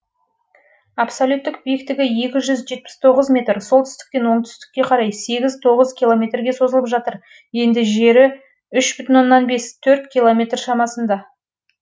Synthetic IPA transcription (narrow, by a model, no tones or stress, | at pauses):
apsolʲjut̪ːɪk̚bijekt̪ɪɡʲɪje̞kʲɪʒʏzʒe̞t̪̚pɪ̥st̪ʰo̞ʁəzmʲe̞t̪rso̞lˠt̪ʰʏ̥st̪ɪ̥k̚ʲp̪enwo̞ɴt̪ʰʏ̥st̪ɪ̥kʲːe̞qʰɑɾɑjse̞ɡʲɪzt̪ʰo̞ʁəzkʲilˠo̞mʲe̞t̪rɡʲe̞so̞zəlˠəpʒɑt̪əɾ | je̞nd̪ɪʒe̞ɾɪ | ʏʃb̥ʏt̪ɪnwo̞nːɑnbe̞st̪ʰɵɾt̪kʲilˠomʲe̞t̪rʃɑmɑsənd̪ɑ